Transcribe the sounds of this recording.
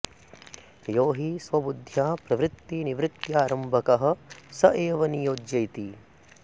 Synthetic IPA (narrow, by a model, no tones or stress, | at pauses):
joːɦisʋɐbud̪ʱjaːpɾɐʋɾɪt̪ːiniʋɾɪt̪jaːɾɐmbʱɐkɐɦɐ̆sɐʔeːʋɐnijoːd͡ʒjɐjt̪i